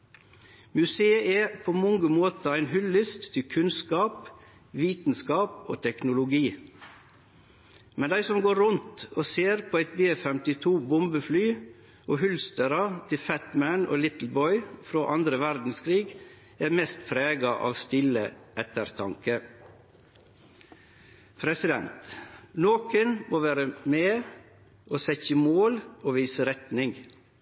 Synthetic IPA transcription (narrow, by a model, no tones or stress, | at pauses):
mʉseːəʔepʰoːmɔŋɡəmoːt̪ɑæɪnhʉlːɪst̪t̪ʰɪkʰʉnskɑːp | ʋiːt̪n̩skɑːpo̰ːt̪ʰɛknʊlʊɡiː | mɛnd̪æɪsɔmɡoːɾʊnt̪oːseːɾpʰoːæɪt̪̚beːfɛmt̪ɪt̪ʰuːbʊmbəflyː | ʔoːɦʉlst̪əɾɑt̪ʰɪlfæt̪mæno̰ːlɪt̪l̩bɔʏfɾoːʔɑnd̪ɾəʋæɾd̪n̩skʰɾiːɡ | æːɾmɛst̪pʰɾeːɡɑʔɑ̰ːʋst̪ɪləʔɛt̪əɾt̪ʰɑŋkə | pʰɾɛsɪd̪ɛnt̪noːkənmoːʋæːɾəmeː | ʔoːsɛçəmoːloːʋiːsəɾɛt̪nɪŋ